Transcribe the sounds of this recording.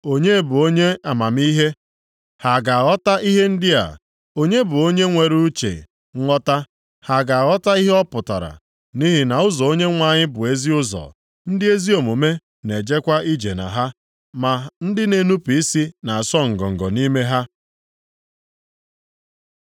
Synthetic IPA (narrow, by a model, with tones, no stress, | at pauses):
o˦ɲe˦bʊ˨o˦ɲe˦a˨ma˨m˦i˦ɦe˦ | ha˨ɡa˨a˨ɣɔ˦ta˦ʔi˦ɦe˦n̩˦dɪ˦a̰˨ | o˦ɲe˦bʊ˨o˦ɲe˦ŋʷe˨ɾu˦t͡ʃḛ˨˦ | ŋʷɔ˦ta˦ | ha˨ɡa˨a˨ɣɔ˦ta˦i˦ɦe˦ɔ˦pʊ˨ta̰˨ɾa̰˨ | ni˦ɦɪ˦na˨ʊ˦zɔ˨o˦ɲe˦ŋʷa˦˨ɲɪ˦bʊ˨e˦zi˦ʊ˦zɔ̰˨ | n̩˦dɪ˦e˦zi˦o˨mo˨me˦ | ne˨d͡ʒe˦kʷa˦ʔi˦d͡ʒe˨na̰˨ɦa˦ | ma˨n̩˦dɪ˦ne˨nu˦pi˨i˦si˦na˨a˨sɔ˦ŋ̩˨ɡɔ˨ŋ̩˨ɡɔ˨ni˦me˦ɦa˦